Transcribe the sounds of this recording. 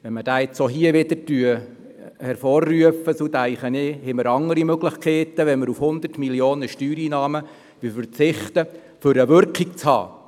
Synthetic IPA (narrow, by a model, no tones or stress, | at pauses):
ʋɛnməd̥aːɛt͡soɦiəʋɪd̥̪əɾtyə | hɛɾfɔːrːyəfːəsod̪æɪχənɪhɛməɾɑŋːəɾimøɡlɪχkʰɛːt̪əʋɛnməɾufhʊnd̪ərtmiljoːnəʃtyːɾiːnɑːmə | ʋɪfəɾt͡sɪχt̪ə | fʏɾəʋʏɾkik̚t͡shɑ̰ː